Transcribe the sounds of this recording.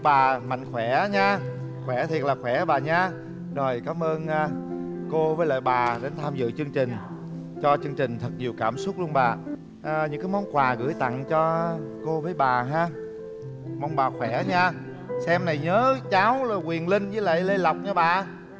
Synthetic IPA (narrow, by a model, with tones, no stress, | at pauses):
ɓaː˨˩ma̰˧˨jŋ̟xwɛ˧˩ɲaː˧ | xwɛ˧˩t̪ʰi˨˩ət̚laː˨˩xwɛ˧˩ɓaː˨˩ɲaː˧ | zo˨˩jkaː˨˦mʔəː˧naː˧ko˧vəː˨˦lə̰ː˧˨jɓaː˨˩ɗe˨˦nt̪ʰaː˧mzɨ̰˧˨t͡ɕɨ˧əŋt͡ɕï˨˩ŋ̟ | t͡ɕɔ˧t͡ɕɨ˧ŋt͡ɕï˨˩ŋ̟t̪ʰɨ˨˩t̚ɲi˨˩əwkaː˧˩msʊ˦˥t̚lu˧ənɓaː˨˩ | ʔɲɨ̰˧˥ŋkaː˨˦jmɔ˨˦wŋ͡mkwaː˨˩ɣɨ̰˧˩əjt̪a̰˧˨ŋt͡ɕɔ˧ko˧vəː˨˦jɓaː˨˩ɦaː˧ | mɔ˧˦wŋ͡mɓaː˨˩xwɛ˧˩ɲaː˧ | sɛ˧mna˨˩jɲəː˨˦t͡ɕaː˨˦wla˨˩kwi˨˩ənlï˧ŋ̟zɨ˨˦lə̰˧˨jle˧la˨˩wk͡p̚ɲɔ˧˩ɓaː˨˩